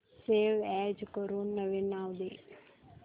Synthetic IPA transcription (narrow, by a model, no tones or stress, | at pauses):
seːʋɛːd͡ʒkəɾuːnːəʋenaːwd̪eː